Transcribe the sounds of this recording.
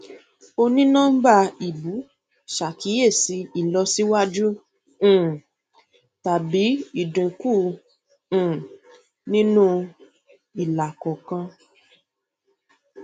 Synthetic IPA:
o˧nĩ˦nã˦ba˦˧i˨bu˨˦ | ʃa˨ki˨˦je˦˨si˨˦i˦˨lɔ˧si˦wa˦d͡ʒũ˦˨ | ta˨bi˨˦i˦˨dĩ˨kũː˦˨ | nĩ˦nũ˦ | i˨la˨kɔ˨kã˧

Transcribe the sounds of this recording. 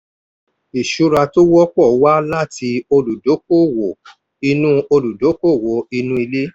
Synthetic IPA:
i˨ʃu˨˦ɾa˧to˦wɔ˦k͡pɔ˦˨˦wa˦la˦ti˧o˧lu˨do˨˦k̚o˦˨wo˨ | i˧nũ˦o˧lu˨do˨˦ko˦˨wo˨˦i˧nũ˧˦i˧le˦

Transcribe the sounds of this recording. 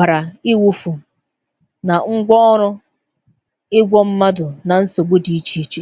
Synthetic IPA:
a˨ɾa˨ɪ˦wu˦fu˨ | na˨ŋ̩˦ɡʷɔ˦ɔ˦ɾʊ˦ | ɪ˦ɡʷɔ˦m̩˦ma˦dʊ˨na˨n̩˦so˨ɡ͡bo˦di˨i˦t͡ʃi˦i˦t͡ʃi˦

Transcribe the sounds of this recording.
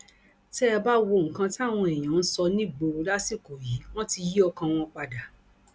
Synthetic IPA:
tɛ˦˧ba˦wo˧˨ŋ̩˨kã˧ti˦a˦˨w̃ɔ̃˧e˨j̃ã˨˦n̩˦sɔ˧nĩ˦˨ɡ͡bo˧la˦si˦˨ko˨ji˨˦w̃ɔ̃˦ti˧ji˦ɔ˧kã˧w̃ɔ̃˧k͡pa˧da˨

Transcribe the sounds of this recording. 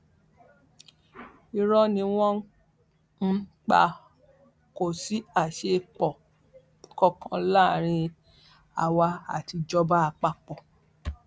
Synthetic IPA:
i˧ɾɔ˦nĩ˧w̃ɔ̃˦ | n̩˦k͡pa̰˧ | ko˦˨si˦a˦˨ʃe˧k͡pɔ˨ | kɔ˧kʰã˧la˦˨ɾ̃ĩ˧ | a˨wa˧a̰˨ti˧d͡ʒɔ˧ba˦a˧k͡pa˦k͡pɔ˨

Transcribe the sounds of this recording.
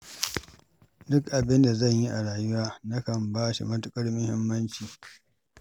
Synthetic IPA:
dʊ˦kʔa˨bɪ˦nda˨zɐ˦˨ɲji˦ʔa̰˨ɽaː˨jʊ˦waː˦nɐ˦kɐ˨mbaː˦ʃḭ˨mɐ˦tʊ˦kʼɐ˦ɽmʊ˦hɪ˦mːɐ˦nt͡ʃiː˨

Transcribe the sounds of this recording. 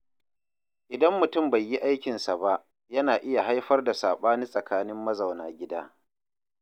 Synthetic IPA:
ʔɪ˨dɐ˦mːʊ˨tʊ˦˨mba˨jːi˦ʔa˦jkʲɪ˨nsa˨ba˦ʔ | jɐ˦naː˨ʔɪ˦ja˨ɦa˦jɸɐ˦rda˨saː˨ɓaː˦ni˦sʼɐ˨kaː˦nɪ˦mːɐ˦za˨wnaː˨ɡʲɪ˦daː˦

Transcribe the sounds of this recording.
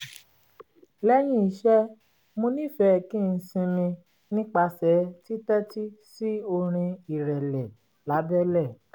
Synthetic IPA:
lɛ˦j̃ĩ˦i˨˦ʃɛ˦ | mõ˧nĩ˦˨fɛ˨˦˨kĩ˦˨˧sĩ˧mĩ˧ | nĩ˦k͡pa˧sɛ˨˦ti˦tɛ˦ti˦si˦o˧ɾ̃ĩ˧i˨ɾɛ˨lɛ˨ | la˨˦bɛ˦lɛ˦˨

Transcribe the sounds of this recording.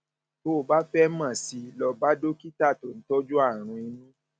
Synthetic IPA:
to˦˨ba˦fɛ˦mã˦˨si˧lɔ˧ba˦do˦ki˦ta˦˨to˨n̩˦tɔ˦d͡ʒu˦a˦˨ɾ̃ũ˧i˧nũ˦

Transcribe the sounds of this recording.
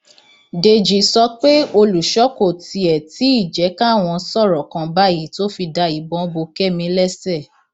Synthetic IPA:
de˧d͡ʒi˨sɔ˧k͡pe˦o˧lu˨ʃɔ˦ko˦˨ti˧ɛ˨ti˨˦i˦˨d͡ʒɛ˨˦ka˦˨w̃ɔ̃˧sɔ˦˨ɾɔ˨kã˧ba˦ji˨˦to˦fi˧da˧i˨bɔ̃˨˦bo˧kɛ˦˨mĩ˧lɛ˦sɛ˦˨

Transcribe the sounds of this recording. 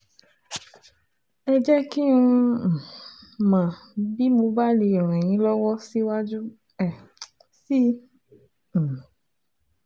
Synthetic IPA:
ɛ˧d͡ʒɛ˦ki˦ũ˧˨ | mã˨bi˦mõ˧ba˦li˧ɔ˨ɾ̃ɛ̃˨j̃ĩ˨˦lɔ˦wɔ˦si˦wa˦d͡ʒu˦ | ɛ˨ | si˦˨

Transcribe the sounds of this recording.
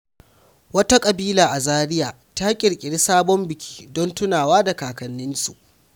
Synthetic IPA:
wɐ˦ta˦kʼɐ˨biː˦laː˨ʔa˨zaː˦ɽɪ˦jaː˨ | ta˦kʲʼɪ˨ɽkʲʼɪ˨ɽi˦saː˦bɔ˦mbɪ˨kʲi̥ː˦dɔ˦ntʊ˦naː˨waː˦da˨kaː˨kɐ˨nːɪ˦nsṵ˨ʔ

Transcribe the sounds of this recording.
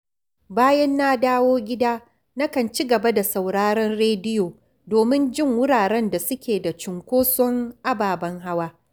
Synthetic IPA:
baː˦jɛ˦nːa˦daː˦woː˦ɡʲɪ˦daː˦ | na˦kɐ˨nt͡ʃi˦ɡɐ˨ba˦da˨sa˨wɽaː˦ɾɐ˦nɽeː˦dɪ˦joː˨ | doː˨mɪ˦nd͡ʒɪ˦˨ŋwʊ˦ɽaː˨ɽɛ˦nda˨sʊ˦kʲʰeː˨da˨t͡ʃʊ˨ŋkʷoː˦sɔ˦ŋʔa˦baː˨bɐ˦ŋɦa˦waː˦

